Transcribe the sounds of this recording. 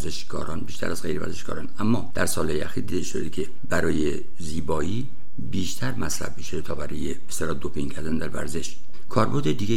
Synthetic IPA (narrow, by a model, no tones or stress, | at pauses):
zeʃɡɒ̰ːɾɒːnbiːʃt̪æ̰ɾʔæzɣejɾevæ̰ɾzeʃɡ̥ɒ̰ːɾɒːnæmːɒːd̪̥æɾsɒːlhɒːjeæxiːɾd̪iːd̪eʃod̪ekʰe̞ | bæɾɒːje | ziːbɒːiː | biːʃt̪ʰæɾmæsɾæ̰bmiʃet̪ʰɒːbæɾɒːjebest̪elɒːd̪opʰiŋcʰæɾd̪ænd̪æɾvæ̰ɾze̞ʃ | kʰɒːɾboɾd̪ed̪iːɡʲe